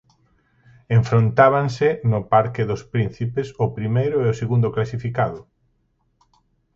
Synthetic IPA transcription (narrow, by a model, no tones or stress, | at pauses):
eɱfɾont̪aβ̞aŋsɪnʊpaɾkɪðʊspɾin̟θipesʊpɾimejɾʊeoseɣund̪oklasifikaðʊ